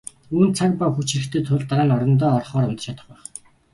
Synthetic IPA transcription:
uːnt͡sʰak̚pawxut͡ɕʰiɾɘ̆kt̪ʰeːt̪ʰʊɮt̪aɾaːnɔɾɞ̆nt̪̬ɔːɔrχɔːɾɔnt̪ɞ̥̆t͡ɕʰat̪ə̆χpæːχ

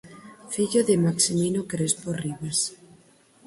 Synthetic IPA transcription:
fiʎoðemaksiminokɾesporiβas

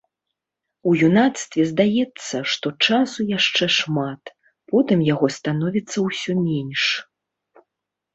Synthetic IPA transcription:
ujunat̪st̪vʲɛzd̪ajɛt̪sːɐʂt̪ɔt͡ʂasujaʂt͡ʂɛʂmat̪ | pɔt̪ɨmjaɣɔst̪anɔvʲit̪sːɐwsʲɔmʲɛnʲʂ

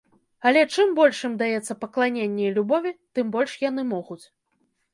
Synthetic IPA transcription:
ɐlʲɛt͡ʂɨmbɔlʲʂɨmd̪ajɛt̪sːɐpɐklˠanʲenʲːɐjlʲubɔvʲit̪ɨmbɔlʲʂjan̪ɨmɔɣut͡sʲ

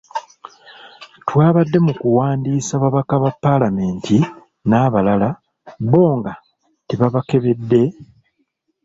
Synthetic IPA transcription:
twaːβadːe̞mukuwaːndiːsaβaβakaβapːalame̞ːntʰi | naβalala | βo̞ːŋɡa | teβaβake̞βe̞dːe̞

